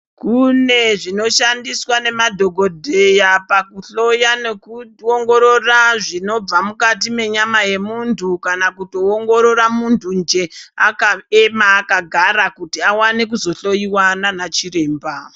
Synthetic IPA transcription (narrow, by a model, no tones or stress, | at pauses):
kune̞ʐino̞ʃandiswane̞madʱo̞ɡʱo̞dʱe̞japakuɬo̞jane̞kuoŋɡo̞ɾo̞raʐino̞b͡vamukatime̞ɲamaje̞muntʰukanakuto̞oŋɡo̞ɾo̞ɾamuntʰund͡ʒe̞akaemaːkaɡʱaɾakutiawanek̬uzo̞ɬo̞jiwananat͡ʃiɾe̞ːmba